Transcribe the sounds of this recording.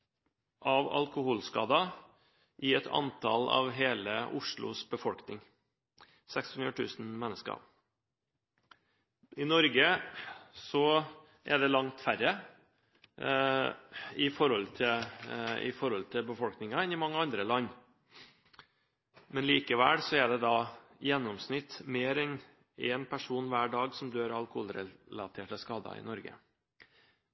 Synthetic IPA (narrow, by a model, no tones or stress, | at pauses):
ʔɑʋɑ̰lkʊhuːlskɑ̰ːd̪ɑ | ʔɪɛt̪ʰɑ̰nt̪ʰɑ̰lɑ̰ʋɦeːləʔʊʂɭʊ̰sbəfɔlknɪŋ | sɛkshʉnd̪ɾəʈ̪ʰʉ̰ːsn̩mɛnːəskəɑ̰ | ɪnɔɾɡə | sɔ | ʔɛɖ̪ɛlɑŋt̪fæɾːə | ɪfɔɾhɔlt̪ʰɪlɪ̰fɔɾɔlt̪ʰɪlbəfɔlknɪŋɑɛnɪmɑŋːəɑnd̪ɾəlɑnː | mɛnliːkəʋæːlsɔɛɖɛd̪ɑjɛnːɔmsnɪt̪ːmeːɾɛn | ɛnpʰæʂuːnʋæːɖɑːɡsɔmd̪øːɾɑlkʊhuːlɾɛlɑt̪ʰeːʈəskɑːd̪ɑ̰ɪ̰nɔɾɡə̰